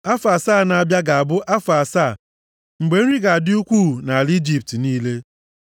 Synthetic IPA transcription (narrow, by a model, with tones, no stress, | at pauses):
a˦fa˨saː˦˨na˨a˨bja˦ɡa˨a˨bʊ˦ʔa˦fa˨sa˦˨ | ŋ͡m̩˨ɡ͡be˨˦n̩˦i˦ɡa˨a˨dɪ˦u˦kʷuː˦˨na˨a˨li˦d͡ʒi˦p̚tniː˦le˦